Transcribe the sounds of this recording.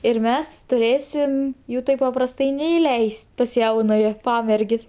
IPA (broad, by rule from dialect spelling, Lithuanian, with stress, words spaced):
ɪr ˈmʲɛs tʊˈrʲeːsʲɪm ˈjuː ˈtɐɪp pɐprɐsˈtɐɪ nʲɛɪˈlʲɛɪsʲtʲ pɐs ˈjɛʊnɐjɛ ˈpɑːmʲɛrʲɡʲeːsʲ